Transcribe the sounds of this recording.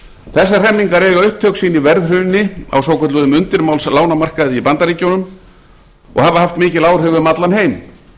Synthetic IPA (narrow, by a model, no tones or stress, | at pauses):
θɛsːar̥ɛmniŋkaɾɛːɣaʏhpt̪ʰːœksiːnːivɛɾðr̥ʏnːɪa̰wsoːwkʰœt̪ʏðʏmʏnt̪ɪɾmawlslaːwnamar̥kaðipant̪aɾiːcownʏm | ɔ̰ɣhavahaft̪mɪːcɪlaːwɾ̥ʏɣvʏmat̪lanheːjm